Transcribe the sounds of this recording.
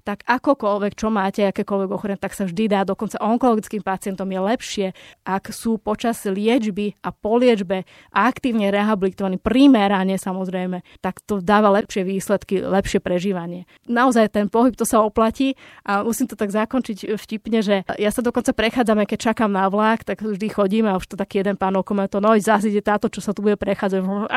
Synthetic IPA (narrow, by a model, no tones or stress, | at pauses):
t̪aɡakɔkɔlʋɛkt͡ʃɔmaːcɛakɛːkɔlʋɛɡɔxɔɾɛɲɛt̪aksavʒd̪id̪aːd̪ɔkɔnt͡saʔɔŋkɔlɔɡit͡skiːmpat͡sɪɛnt̪ɔmjɛlɛpʃɪɛʔaksuːpɔt͡ʃaz̥lɪɛd͡ʒbiapɔlɪɛd͡ʒbɛ | ʔakt̪iːʊɲɛɾɛɦabilit̪ɔʋanipɾimɛɾaɲɛsamɔzɾɛjmɛt̪akt̪ɔd̪aːʋalɛpʃɪɛʋiːslɛt̪kilɛpʃɪɛpɾɛʒiːʋaɲɪɛ | naɔzajt̪ɛnpɔɦip̚t̪ɔsaɔplaciːʔamusiːmt̪ɔt̪aɡzakɔnt͡ʃicfcipɲɛʒɛjasad̪ɔkɔnt͡sapɾɛxaːd͡zamɛkɛc̚t͡ʃakamnaʋlaːkt̪aɡvʒd̪ixɔɟiːmɛauʃt̪ɔt̪akiːjɛd̪ɛnpaːnɔkɔmɛt̪ɔnɔjzaz̬iɟɛt̪aːt̪ɔt͡ʃɔsat̪ubuɟɛpɾɛxaːd͡zaɟ